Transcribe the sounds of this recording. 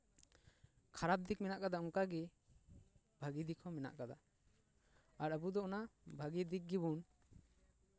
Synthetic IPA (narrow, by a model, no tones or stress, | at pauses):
kʰaɾap̚d̪ik̚mɛnaʔkad̪auŋkaɡɛ | bʱaɡid̪ikʰɔmɛna̰ʔkad̪a̰ | aɾəbud̪ɔʔɔnabʱaɡid̪ik̚ɡibun